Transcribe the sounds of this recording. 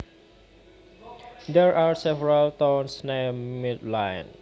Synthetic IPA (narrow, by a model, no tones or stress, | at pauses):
d̪ɛɹʔaɹsɛvɛɹalt̪ãwnsnɛmidlãjn